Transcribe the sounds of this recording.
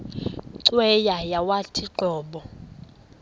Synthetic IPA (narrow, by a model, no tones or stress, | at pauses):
ǀwɛjajawatʰiǃɔːɓɔ